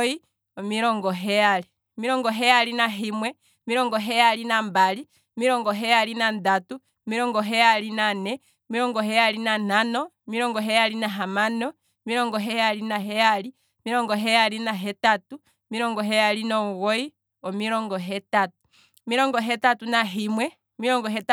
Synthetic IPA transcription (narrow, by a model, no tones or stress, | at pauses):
i | ɔmiɾɔŋɡɔɦɛali | miɾɔŋɡɔɦɛaɾinaɦimwɛ | miɾɔŋɡɔɦɛalinambali | ɔmiɾɔŋɡɔɦɛalinandatu | miɾɔŋɡɔɦɛalinanɛ | ɔmiɾɔŋɡɔɦɛalinananɔ | miɾɔŋɡɔɦɛjalinaɦamanɔ | miɾɔŋɡɔɦɛjalinaɦɛjali | miɾɔŋɡɔɦɛjalinaɦɛtatu | miɾɔŋɡɔɦɛjalinɔɣɔi | ɔmiɾɔŋɡɔɦɛtatu | miɾɔŋɡɔɦɛtatunaɦimwɛ | miɾɔŋɡɔɦɛt